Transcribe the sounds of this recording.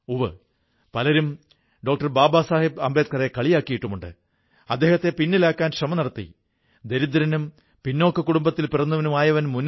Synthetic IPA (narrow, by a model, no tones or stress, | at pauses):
uʋɐ | pɐlɐɾum | ɖo̞ːk̚ʈɐrbaːbaːsaːhibɐ̰mbeːt̪̚kɐrekɐɭijaːkːijiʈːumuɳɖɨ̰ | ɐd̪ːe̞ːhɐt̪ːe̞pinːilaːkːaːnɕrɐmɐnɐɽɐt̪ːḭ | d̪e̞ɾid̪ːɐɾɐnum | pinːo̞ːkːɐkuɽumbɐt̪ːilpirɐnːɐʋɐnumaːjɐʋɐnmunː